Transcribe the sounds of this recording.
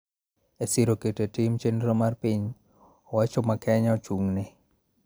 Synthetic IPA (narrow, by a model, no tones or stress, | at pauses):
esɪɾoketetimt͡ʃendɾomarpiɲ | ɔwat͡ʃɔmakɛɲɔt͡ʃuŋnɪ